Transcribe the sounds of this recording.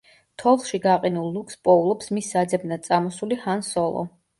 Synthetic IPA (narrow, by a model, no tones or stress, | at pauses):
t̪ʰɔlˠʃiɡaqʼinulˠːukʰspʼɔulˠɔpsmisːad̪zɛbnad̪t̪sʼamɔsulihansɔlˠɔ̰